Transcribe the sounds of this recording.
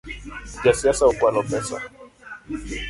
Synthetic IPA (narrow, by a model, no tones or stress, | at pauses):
ʄasiasahukualɔpɛsa̰